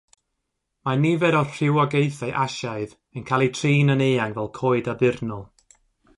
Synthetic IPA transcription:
manivɛɾɔr̥ɪwɔɡejθaʔaʃaɨð | ənkʰalˠitʰriːnəneːaŋvɛlˠkʰoːɨdabɪrnɔlˠ

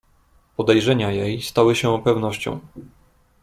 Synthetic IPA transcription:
pɔd̪ɛjʐɛɲajejst̪awɘɕɛɔpɛvnɔɕt͡ɕɔ̰̃w̃

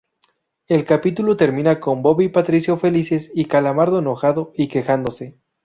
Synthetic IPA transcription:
e̞lkapit̪ulot̪e̞ɾmĩnako̞mbo̞βipat̪ɾisjo̞fe̞lise̞sikalamaɾðo̞eno̞xaðo̞ike̞xand̪o̞se̞

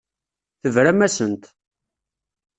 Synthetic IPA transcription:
θəvɾæmæsənt̪

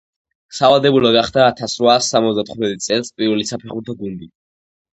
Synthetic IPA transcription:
savad̪ɛbulɔɡaχd̪aːt̪ʰasɾvaːsːamɔt̪zd̪at̪ʰχut̪mɛt̪ʼt̪sʼɛlˠspʼiɾvɛlisapʰɛχuɾt̪ʰɔɡund̪i

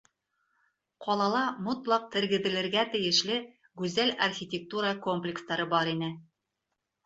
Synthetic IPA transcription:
qɒlˠɑlˠɑmot̪lˠɑq̚t̪ɘ̆ɾɡɘ̆ðɘ̆lɘ̆ɾɡæt̪ɘ̆jɘ̆ʃlɘ | ɡʉzælɐrxʲitʲek̚t̪uɾəko̞mplʲɪkst̪ɑɾɤbɑɾinɘ

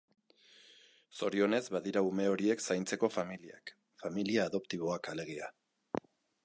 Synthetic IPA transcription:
so̞ɾio̞ne̞zβaðiɾaume̞o̞ɾie̞ksajnt͡se̞ko̞familia̰k | familiaːðo̞pt̪iβo̞akale̞ɣ̞ia

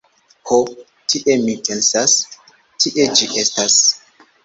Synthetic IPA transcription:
ho | tʰiʔe̞mipe̞nsas | tiʔe̞d͡ʒiʔe̞stas

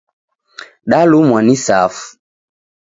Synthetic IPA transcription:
ɗalumwanisafu̥

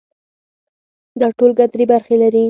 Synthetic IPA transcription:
d̪ɑʈolɡat̪ɾebaɾxelaɾi

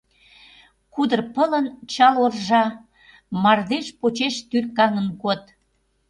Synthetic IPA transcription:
kud̪ərpələnt͡ɕɑlorʒɑ | mɑrd̪eʃpot͡ɕeʃt̪yrkɑŋənkot̪

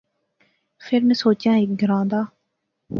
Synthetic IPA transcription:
fʰɪɾmẽsoːt͡ʃjãːek̚ɡɪɾãːnd̪aː

